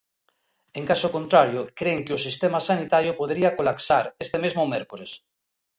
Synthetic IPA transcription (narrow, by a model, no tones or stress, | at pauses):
eŋkasokont̪ɾaɾjokɾeŋkeosist̪emasanit̪aɾjopoðɾiakolaksaɾest̪emezmomeɾkuɾes